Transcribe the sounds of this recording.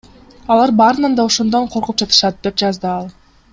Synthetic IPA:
ɑlˠɑɾbɑɾɯnɑnd̪ɑoʃond̪o̞ɴqʰoɾqup̚d͡ʒɑt̪ʰɯ̥ʃɑt̪̚d̪e̞p̚d͡ʒɑzd̪ɯɑlˠ

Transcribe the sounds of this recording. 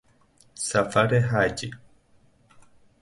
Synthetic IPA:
safaɾeɦad͡ʒi

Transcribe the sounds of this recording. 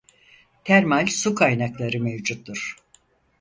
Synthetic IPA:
t̪ʰæɾmalʲsukʰajnaklˠaɾɯmevd͡ʒut̪ːuɾ̥

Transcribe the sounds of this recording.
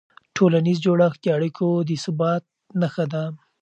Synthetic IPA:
ʈʰolanizd͡ʒoɽaxd̪əaɽikʰod̪əsəbɑt̪̚ | naxad̪a

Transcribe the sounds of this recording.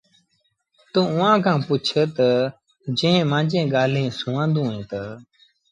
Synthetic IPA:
t̪ũːʊʋãːkʰãːpʊt͡ʃʰət̪ə | d͡ʒə̃ɦmãːd͡ʒẽːɡaːl̤ẽːsʊːãːnd̪ũːẽːt̪ə

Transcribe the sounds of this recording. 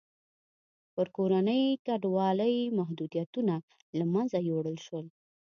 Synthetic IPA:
pəɾkoɾanəjkaɖwɑləjmaɦd̪ud̪ijat̪una | lamanzajoɽəlʃwəl

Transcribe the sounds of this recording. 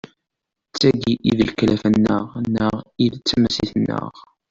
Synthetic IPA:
t͡sːæɡiʔiðlklæfənːəʁnəʁiðt͡sːæmæsiθənːə̰ʁ

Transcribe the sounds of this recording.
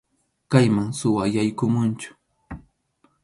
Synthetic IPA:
kajmaŋsʊwajajkʊmʊnt͡ʃʊ̥

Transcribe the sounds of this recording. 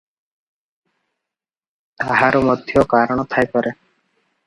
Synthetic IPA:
t̪aɦaɾɔmod̪ʱjɔkaɾɔɽ̃ɔt̪ʰajpɔɾe

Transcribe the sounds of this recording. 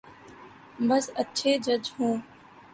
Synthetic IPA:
bəsətːʃʰeːd͡ʒəd͡ʒɦũː

